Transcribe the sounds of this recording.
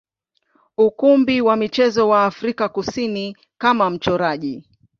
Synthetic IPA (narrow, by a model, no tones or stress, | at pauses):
ukumbiwamit͡ʃɛzɔwaːfɾikakusini | kamam̩t͡ʃɔɾaʄi